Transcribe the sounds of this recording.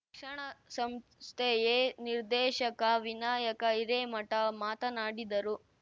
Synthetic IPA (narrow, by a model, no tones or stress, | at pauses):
kʂɐɳɐsɐmst̪ʰejeniɾd̪ɛːʃɐkɐʋinaːjɐkɐiɾeːmɐʈɐmaːt̪ɐnaːɽid̪ɐɾu